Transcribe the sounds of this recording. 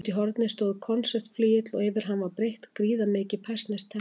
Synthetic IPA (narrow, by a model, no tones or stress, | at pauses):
t̪iɦɔɾt̪nɪst̪oːwðkʰɔnsɛ̥t̪fliːjɪt̪lɔɣɪvɪɾ̥ɦanvaɾpɾejht̪kɾiːðamɪːcɪpʰḁst̪nɛst̪ʰɛ